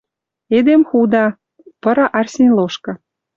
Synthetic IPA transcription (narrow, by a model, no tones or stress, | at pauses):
ed̪emxud̪ɑ | pɤ̆ɾɑʔɑrsʲenʲloʃkɤ̆